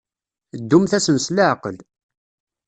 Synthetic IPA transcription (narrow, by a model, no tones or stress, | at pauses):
d̪ːumθæsənslaʕqəl